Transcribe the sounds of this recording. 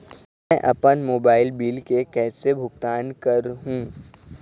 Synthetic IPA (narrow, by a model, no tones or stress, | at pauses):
mɛ̃ʔɐ̰pənmoːbaːɪlbiːlkekɛːsebʱʊɡt̪aːnkɐɾɦũː